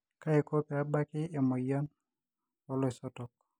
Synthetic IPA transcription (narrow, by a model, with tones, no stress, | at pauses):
ka˦e˨ko˦pe˨a˨ba˦kɪ˦e˨mɔ˨jɔ˦n | ɔ˦lɔ˦e˨sɔtɔ˨k̚